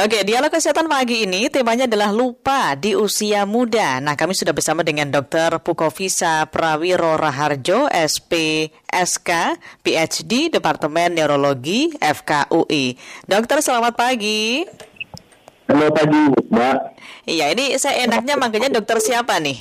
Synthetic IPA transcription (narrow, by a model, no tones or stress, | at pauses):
ʔokedialokəsiɦat̪anpaɡiːnit̪emaɲaːdalahlupadiusiamudanahkamisudahbərsamadəŋandɔk̚t̪ərpukofisapɾawiɾoɾaɦard͡ʒoɛspe | ʔɛskapiɛt͡ʃdidəpart̪əmɛnːeɾoloɡiɛfkaʔuʔidɔk̚t̪ərsəlamat̪̚paɡi | lopaɡibaʔijainisajaʔenak̚ɲamaŋkaɲadɔk̚t̪ərsiapanɪh